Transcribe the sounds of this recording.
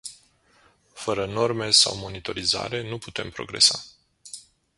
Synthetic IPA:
fəɾəno̞rme̞sa̰wmo̞nit̪o̞ɾiza̰ɾe̞nuput̪e̞̰mpɾo̞̰ɡɾe̞̰sa

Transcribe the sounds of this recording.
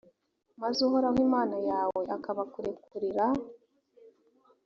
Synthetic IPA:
mazuɦoɾawiːmaːnajaːweʔakaβakuɾekuɾiɾa

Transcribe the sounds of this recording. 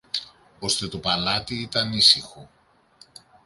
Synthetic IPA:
o̞st̪e̞t̪opɐlɐt̪iit̪ɐnisixo̞

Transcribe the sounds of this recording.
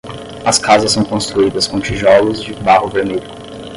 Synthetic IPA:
ɐskazɐsːɐ̃w̃kõst̪ɾuid̪ɐskõt͡ʃiʒɔlʊzd͡ʒɪbahʊveɾmeʎʊ

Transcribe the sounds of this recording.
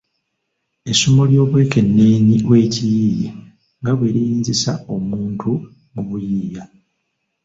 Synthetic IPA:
esumoljo̞ːβweːke̞nːeːɲiwe̞ːcijiːjḛ | ŋɡaβwe̞ɾijiːnzisa̰o̞muːntʰu | muβujiːja

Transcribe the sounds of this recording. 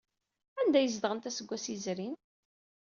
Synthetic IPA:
ænd̪æjəzd̪ʁənt̪æsəɡʷːæsizɾin

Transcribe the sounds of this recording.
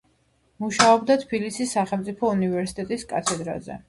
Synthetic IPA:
muʃaɔbd̪at̪ʰbilisisːaχɛlmt̪sʼipʰɔunivɛɾsi̥t̪ʼɛt̪ʼiskʼa̰t̪ʰɛd̪ɾa̰zɛ̰

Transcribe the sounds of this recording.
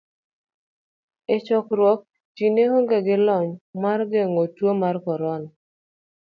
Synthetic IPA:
ɪt͡ʃɔkɾwɔk̚ | t͡ʃinehoŋɡeɡɪlɔɲmarɡeŋotwomarkɔɾɔn

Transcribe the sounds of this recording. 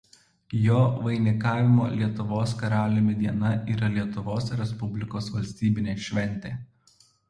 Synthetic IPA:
joːʋɐɪnʲɪkɑːʋʲɪmoːlʲiɛt̪ʊʋoːskɐɾɑːlʲʊmʲɪd̪ʲiɛnɐʔiːɾɐlʲiɛt̪ʊʋoːsɾʲɛspʊbʲlʲɪkoːsʋɐlʲsʲt̪ʲiːbʲɪnʲeːʃʲʋʲɛnʲt̪ʲeː

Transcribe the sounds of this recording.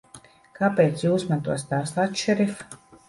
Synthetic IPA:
kapeːt̪sjuːsmant̪uɔsʲt̪aːsat̪ʃɛɾif

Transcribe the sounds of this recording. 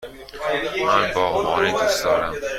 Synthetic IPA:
mænbɒːmɒːɾiːd̪usd̪ɒːɾæm

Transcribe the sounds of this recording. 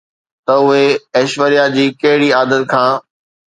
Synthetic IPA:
t̪ɐʊɦeɐːʃʋəɾijad͡ʑiːkɐɦɪɽiaːd̪ət̪̚kʰãː

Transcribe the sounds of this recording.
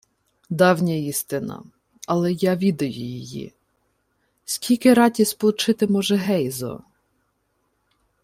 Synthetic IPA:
d̪ɑwnʲɐjist̪ɪnɐ̰ | ɐlˠɛjɑʋʲid̪ɐjʊjɪjḭ | skʲilʲkɪɾɑtʲispɔlˠʊt͡ʃɪt̪ɪmɔʒɛɦɛjzɔ̰

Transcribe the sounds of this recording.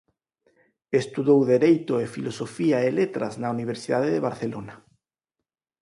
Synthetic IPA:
est̪uðowðeɾejt̪oefilosofiaelet̪ɾa̰znauniβ̞eɾsiðaðeðeβaɾθelona

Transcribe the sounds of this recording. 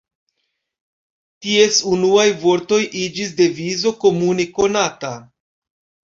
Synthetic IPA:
tie̞sunuajvo̞ɾto̞jʔid͡ʒis̬de̞vizo̞ko̞mune̞ko̞nata

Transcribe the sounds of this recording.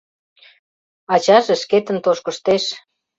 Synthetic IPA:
ɑt͡ɕɑʒeʃket̪ə̆nt̪oʃkə̆ʃt̪eʃ

